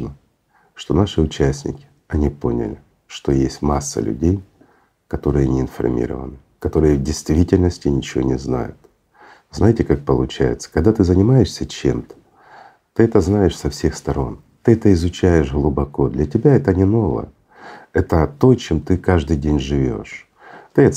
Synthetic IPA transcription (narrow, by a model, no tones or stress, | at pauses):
nə | ʂt̪o̞naʂɨʊt͡ɕæsʲnʲɪ̰kʲɪ̥ | ɐnʲipo̞nʲɪ̰lʲɪ | ʂt̪o̞jesʲtʲmasːə̰lʲʉ̰dʲej | kɐt̪o̞ɾɨjənʲɪɪnfɐ̰rmʲḭɾə̰və̰nɨ | kɐt̪o̞ɾɨjəvdʲɪjst̪vʲitʲɪlʲnəsʲtʲɪnʲɪt͡ɕɪvonʲɪzna̰jʊ̰t̪ | znajtʲɪkak̚pəlˠʊt͡ɕæjɪ̰t̪sə̥kɐɡd̪at̪ɨzənʲɪmajɪʂsʲət͡ɕe̞̰mt̪ə̥ | t̪ɨɛt̪əznajɪʂsɐfsʲe̞xst̪ɐɾo̞n | t̪ɨɛt̪əɪzʊt͡ɕæjɪʂɣlˠʊbɐko̞d̪lʲɐtʲɪbʲaɛt̪ənʲɪno̞və̰jə | ɛt̪ət̪o̞jt͡ɕemt̪ɨkaʐd̪ɨjdʲenʲʐɨvʲo̞̰ʂ | t̪ɨɐt̪